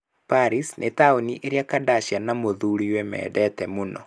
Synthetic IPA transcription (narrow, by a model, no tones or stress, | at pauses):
paɾisnʔetaoniʔeɾiakadaʃjanamoðuɾiwɛmɛ̰ːdɛtɛmunɔ